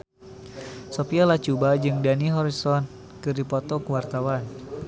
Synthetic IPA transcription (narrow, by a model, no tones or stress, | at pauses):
sɔpialat͡ʃubad͡ʒɨŋdaniɦɔɾisɔn | kɨrdipɔt̪ɔkəwart̪awan